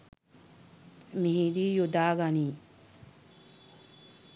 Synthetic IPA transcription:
miɦid̪iːjud̪aːɡaniː

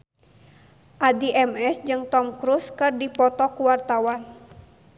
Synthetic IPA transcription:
ʔadiʔɛmɛsd͡ʒɨŋt̪ɔmkɾuskɨrdipɔt̪ɔkuwart̪awan

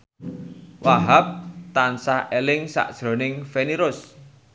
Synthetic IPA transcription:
wʔaɦap̚t̪ansahʔelɪŋsa̰ʔd̥ʒ̥ɾo̤nɪŋfeniɾʊs

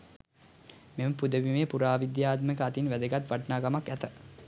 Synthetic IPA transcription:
meməpud̪əʋimepuɾaːʋid̪jaːt̪məkəat̪inʋæd̪əɡat̪ʋaʈnaːɡamakæt̪ə

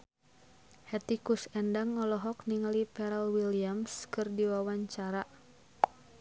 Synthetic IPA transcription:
hɛt̪ikusɛndaŋɔlɔɦɔk̚niŋalipɛɾɛlwiliamskɨrdiwawaɲt͡ʃaɾa

